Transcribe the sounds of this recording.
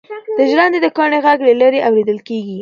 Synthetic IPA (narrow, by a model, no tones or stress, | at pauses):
d̪̥əʒɾɑnd̪ed̪əkɑɳeɣaɡlelaɾeʔawɾed̪əlkeɡi